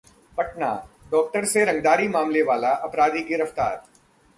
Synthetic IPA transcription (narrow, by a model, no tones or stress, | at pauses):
pɐʈna̰ːɖɔːk̚ʈəɾseɾɐ̃ŋɡd̪aːɾimaːmleʋaːlaʔɐpɾaːd̪iɡɪɾɐft̪a̰ːɾ